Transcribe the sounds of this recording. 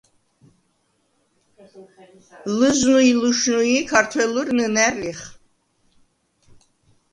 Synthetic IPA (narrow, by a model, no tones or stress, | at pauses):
lɨznuiluʃnuikʰaɾt̪ʰwɛlurnɨnæriχ